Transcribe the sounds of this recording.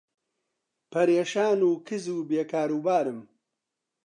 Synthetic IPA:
pʰɐɾeːʃaːnuːkʰɨzuːbeːkaːɾuːbaːɾɨm

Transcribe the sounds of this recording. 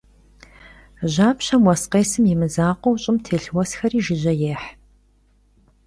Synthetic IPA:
ʑaːpɕɐmwɐsqeːsɨmjɪmɨzaːqʷɔwɕʼɪmtʰeːɬwɐsxɐriːʒɪʑɐjeːħ

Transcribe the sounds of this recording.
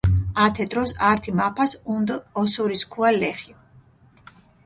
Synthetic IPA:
at̪ʰɛt̪ʼɾɔsaɾt̪ʰimapʰasund̪ɔsuɾiskʰualɛχi

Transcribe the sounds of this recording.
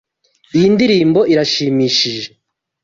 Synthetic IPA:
ijindiɾiːmbo̞ʔiɾaʃiːmiːʃiʒe̞

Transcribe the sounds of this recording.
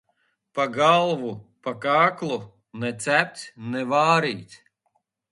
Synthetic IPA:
paɡalˠvupakaːklˠu | nɛt̪sæp̚ʲt̪ʲnɛvaːɾiːt̪ʲ

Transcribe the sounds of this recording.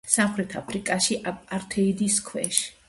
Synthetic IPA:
samχɾɛt̪ʰapʰɾikʼaʃiʔaaɾt̪ʰɛid̪iskʰwɛʃ

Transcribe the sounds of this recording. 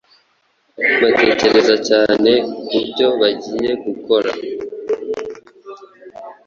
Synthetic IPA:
βate̞ːce̞ɾe̞zacaːne̞kubɟo̞βaɟiːje̞ɡuko̞ɾa̰

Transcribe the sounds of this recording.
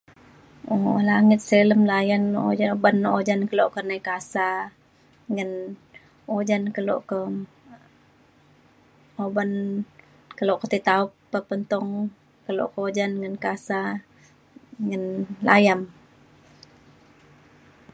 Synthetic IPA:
olaŋɪt̪̚sələmlajanbanːod͡ʒankəloʔkərnajkasa | ŋən | od͡ʒankəlo̰ʔkə | oban | kəloʔkət̪it̪auppəpənt̪ɔŋ | kəlo̰ʔkod͡ʒanŋənkasa | ŋənla̰jam

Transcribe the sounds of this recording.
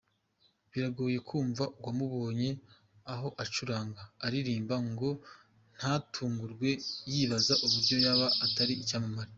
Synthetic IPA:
βiɾaɡo̞ːje̞kʰuːɱvaʔuɡwamuβo̞ːɲe̞ | aɦo̞ʔat͡ʃuɾaːŋɡaːɾiɾiːmbaŋɡo̞ | n̥hatʰuːŋɡuɾɡwe̞jiːβazaʔuβuɾɟo̞jaβaːtaɾiːcaːmamaɾi

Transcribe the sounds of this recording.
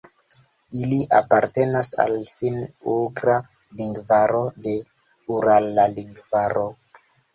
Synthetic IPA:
iliʔapaɾte̞nasa̰lfinuɡɾa | liŋɡvaɾo̞de̞ | uɾalːaliŋɡvaɾo

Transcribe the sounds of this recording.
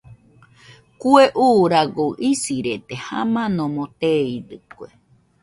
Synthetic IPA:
kueʔuɾaɡoʔisiɾet̪eha̰mãnõmõt̪eid̪ɨkʷe

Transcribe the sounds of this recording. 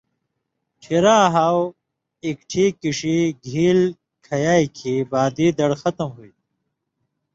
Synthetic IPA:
ʈʰiɾaːɦaːw | ikʈʰikiʂiɡʱiːl | kʰɐjaːjkʰibaːd̪iːd̪ɐɽxɐt̪ɐmɦuit̪

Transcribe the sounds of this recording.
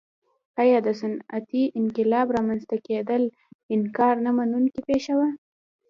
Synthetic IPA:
ajɑd̪əsanat̪iʔɪnkɪlɑbɾɑmanzt̪aked̪əl | ɪnkɑɾnamanunkipeʃawa

